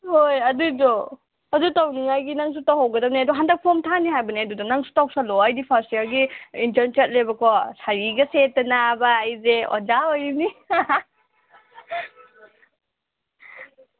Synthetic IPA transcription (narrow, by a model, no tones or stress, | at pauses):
hojɐdudɔ | ɐdutawniŋajɡinaŋsutawɦawɡɐdɐp̚niaduɦandɐk̚pʰɔmtʰaniɦajbɐniadudɔnaŋsu̥tawp̚salɔajdipʰasiaɾɡiintɐɾnt͡ʃɐt̚lebɐkʰɔsaɾiɡɐsetːɐnabaːjzeo̰d͡ʒaojni